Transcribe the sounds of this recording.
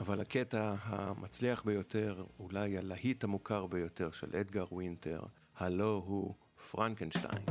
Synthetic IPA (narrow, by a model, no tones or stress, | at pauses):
avalhaketaɦamʔat͡sliaχbejo̞te̞ʁulajalahithamukʰaʁbejo̞te̞ʁʃe̞̰lʔedɡaʁwinte̞̰ʁ | halo̞ɦu | fʁaŋkenʃta̰jn